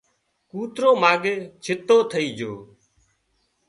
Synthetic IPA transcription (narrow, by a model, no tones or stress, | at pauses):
kuːt̪ɾoːmaːɡeːt͡ʃʰɪt̪oːt̪ʰəiːd͡ʒoː